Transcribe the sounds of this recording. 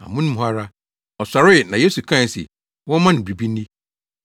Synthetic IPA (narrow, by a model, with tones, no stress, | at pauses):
a̰˨mʊ̃˦nʊ̃˦m˦ɦa˦ɾa˦ | ɔ˨sa˨ɾɪ˦˨nã˨je˦su˨kʰã˦˨sɪ̰˨ | wɔ̃˦mã˦nɪ̃˨bɾi˨bi˦ĩ˦